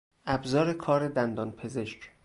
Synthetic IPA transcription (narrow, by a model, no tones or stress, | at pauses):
ʔæbzɒːɾe̞kʰɒːɾed̪ænd̪ɒːnpʰe̞ze̞ʃc